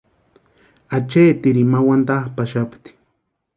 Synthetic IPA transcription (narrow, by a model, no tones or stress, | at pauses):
at͡ʃeːt̪iɾimawand̪ahpaʃapt̪i̥